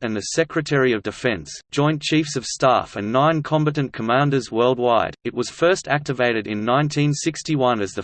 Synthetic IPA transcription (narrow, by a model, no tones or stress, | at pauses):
ɨ̃nðɨsɛkɹɨtʰɛɹiʌvdɨfɛ̃nsd̥ʒ̥ɔ̃ɪ̃nt͡ʃʰifsʌv̥stæ̰ffɨ̃nːãɪ̃nkʰɑ̃mbɨɾɨ̃n̩kʰəmæ̃ndə˞zwɜ˞lˠd̚waɪɾɨt̚wʌz̥fɜ˞stʰæk̚tɨveɪɾɨɾɨ̃nːãɪ̃ntʰĩnsɪkstiwʌ̃nɨzðɨ